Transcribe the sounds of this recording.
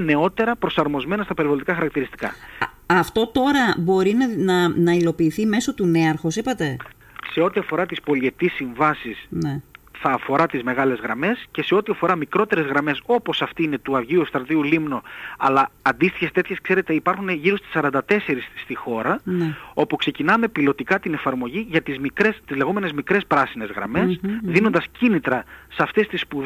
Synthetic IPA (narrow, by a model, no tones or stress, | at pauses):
ne̞o̞t̪e̞ɾɐpɾo̞sɐɾmo̞zme̞nɐst̪ɐpeɾivolt̪ikɐxɐɾɐk̚t̪iɾist̪i̥kɐ̰ɐft̪o̞t̪o̞ɾɐbo̞ɾinɐnɐnɐilo̞piːθime̞so̞t̪une̞ɐɾxo̞sipɐt̪e̞ | se̞o̞t̪iɐfo̞ɾɐt̪ispo̞le̞t̪isːiɱvɐsisneθɐːfo̞ɾɐt̪izme̞ɣɐle̞zɣɾɐme̞sce̞se̞o̞t̪iɐfo̞ɾɐmikɾo̞t̪e̞ɾezɣɾɐme̞so̞po̞sɐft̪iine̞t̪uɐvʝiust̪ɾɐt̪iulimno̞ɐlɐːnd̪ist̪içest̪e̞t̪çe̞skse̞ɾet̪e̞ipɐɾxune̞ʝiɾost̪i̥sːɐɾɐnd̪ɐt̪e̞se̞ɾisːt̪ixo̞ɾɐo̞pukse̞cinɐme̞pilo̞t̪ikɐt̪ine̞fɐɾmo̞ʝiʝɐt̪izmikɾest̪izle̞ɣo̞me̞ne̞zmikɾe̞spɾɐsine̞zɣɾɐ̰me̞sðinond̪ɐscinit̪ɾɐsɐft̪e̞st̪ispu